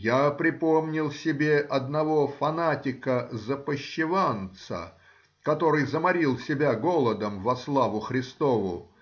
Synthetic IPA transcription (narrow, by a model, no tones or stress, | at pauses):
japɾʲɪpo̞mnʲɪlˠsʲɪbʲeʔɐd̪nɐvo̞fɐnatʲɪkəzəpəɕːɪvant̪sə̰ | kɐt̪o̞ɾɨjzəmɐɾʲilˠsʲɪbʲaɡo̞lˠəd̪əmvɐslˠavʊxɾʲɪst̪o̞vʊ̰